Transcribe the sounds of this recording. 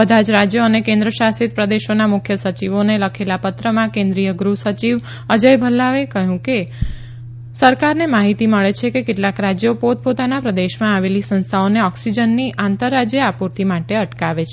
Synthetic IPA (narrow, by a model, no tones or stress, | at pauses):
bəd̪ʱad͡ʒɾad͡ʒjəənekẽnd̪ɾəʃasit̪̚pɾəd̪eʃonamʊkʰjəsət͡ʃiʋoneləkʰelapət̪ɾəmãkẽnd̪ɾijəɡɾusət͡ʃiʋ | əd͡ʒəjbʱəlːaʋekəɦũke | səɾkaɾnemaɦit̪iməɭet͡ʃʰekekeʈlakɾad͡ʒjopot̪̚pot̪anapɾəd̪eʃmãaʋelisə̃nst̪ʰaoneɔksid͡ʒənːiʔãnt̪əɾːad͡ʒjəapuɾt̪ʰimaʈeəʈkaʋet͡ʃʰe